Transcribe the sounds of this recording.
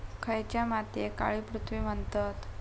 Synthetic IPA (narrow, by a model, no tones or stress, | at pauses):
kʰəjt͡ɕjamat̪jeka̰ɭiːpɾut̪ʰʋiːmənt̪ət̪